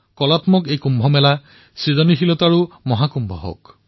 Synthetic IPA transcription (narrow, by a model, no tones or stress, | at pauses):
kɔlatmɔkejkumbʱɔmɛla | sizɔnixilɔtaɹu | mɔɦakumbʱɔɦo̰k